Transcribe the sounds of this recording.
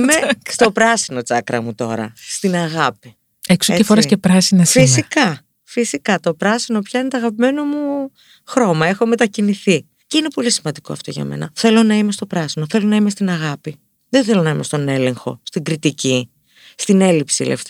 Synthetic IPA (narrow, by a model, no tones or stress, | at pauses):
imest̪opɾɐsino̞t͡sɐkɾɐ̰mut̪o̞ɾɐ̰st̪inɐɣɐpi | eksoeefoɾɐskepɾɐsinɐsfisikɐ | fisikɐt̪o̞pɾɐsino̞pçɐine̞t̪oɐɣɐpime̞nomu | xɾo̞mɐe̞xo̞me̞t̪ɐciniθi | ceine̞po̞lisimɐnd̪iko̞̰ɐft̪o̞̰ʝɐ̰me̞̰nɐ̰θe̞lo̞nɐime̞st̪o̞pɾɐsino̞θe̞lo̞nɐime̞st̪inɐɣɐpi | ðenθelo̞nɐime̞st̪o̞ne̞le̞ŋxo̞̰st̪iɡɾit̪ici | st̪ine̞lipsiḛlḛft̪